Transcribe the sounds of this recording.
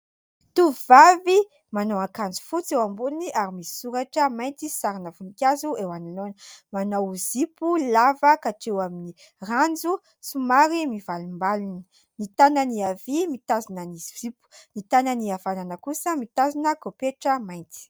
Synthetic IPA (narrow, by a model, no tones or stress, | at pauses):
t̪uvvavi | manowãkand͡zu̥fut͡sewambuliniʔaɾimisi̥suɾaʈ͡ʂəmajnt̪isaɾinəvunikʲazuewanilonəmanowzipulavəkaʈ͡ʂewamini | rand͡zu | sumaɾimivalumbaluni̥ | nit̪anəniavimit̪azinəniz̥ipu̥nit̪anəniavananəkusəmit̪azinəkopeʈ͡ʂəmajnt͡si̥